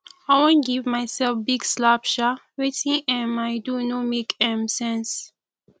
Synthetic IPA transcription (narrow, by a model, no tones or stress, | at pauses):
ajwɔ̃nɡivmajsɛlfbiɡslapʃawetĩŋɛ̃majdunomekɛ̃msɛ̃ns